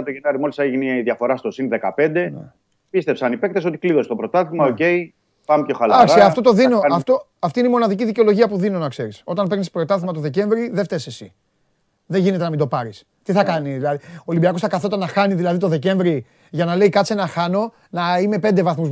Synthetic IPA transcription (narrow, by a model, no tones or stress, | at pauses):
ɐt̪oʝenɐɾimo̞lisɐeʝineðjɐfo̞ɾɐst̪o̞sinðekɐpe̞nd̪e̞ | pist̪e̞psɐnipe̞kt̪eso̞t̪ikliðo̞set̪opɾo̞t̪ɐt̪imɐoce̞i | pɐmpço̞xɐlaksiɐft̪o̞t̪oðino̞ɐft̪o̞ɐft̪ineimo̞nɐðiciðice̞o̞lo̞ʝiɐpuðino̞nɐkse̞ɾiso̞t̪ɐnpeɣnispɾo̞t̪ɐθimɐt̪o̞ðe̞ce̞ɱvɾiðeft̪eise̞si | ðeʝine̞t̪e̞nɐmind̪o̞pɐɾis | t̪iθɐkɐniðilɐðioːlimbiɐkosθɐkɐθo̞t̪ɐnːɐxɐniðilɐðit̪o̞ðe̞ce̞ɱvɾi | ʝɐnɐle̞ikɐt͡senɐxɐno̞ | nɐime̞pend̪e̞vɐθmuz